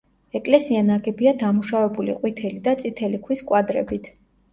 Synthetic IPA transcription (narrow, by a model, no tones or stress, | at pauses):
ɛkʼlɛsianaɡɛbiad̪amuʃavɛbulḭqʼwit̪ʰɛlid̪at̪sʼit̪ʰɛlikʰwiskʼwad̪ɾɛ̰bit̪ʰ